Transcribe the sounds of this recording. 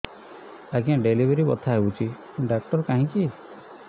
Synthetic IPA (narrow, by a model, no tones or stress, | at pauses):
aɡiãɖelibeɾibɔt̪ʰaɦebut͡ʃʰi | ɖakʈɔɾkaɦĩki